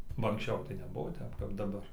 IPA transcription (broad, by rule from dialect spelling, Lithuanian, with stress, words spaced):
bɐ ɐŋksʲˈt͡ʃʲɛʊ tɐɪ nʲɛˈbʊʋoː ˈtʲɛp kɐp dɐˈbɐr